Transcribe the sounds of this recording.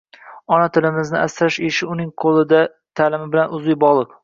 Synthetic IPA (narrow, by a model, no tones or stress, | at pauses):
ɒnat̪ʰɪlɪmɪznɪʔast̪ɾaʃeʃɪʊnɪŋqʰolˠɪd̪a | t̪ʰalɪmɪbɪlanʊzɪjbɒlˠɨq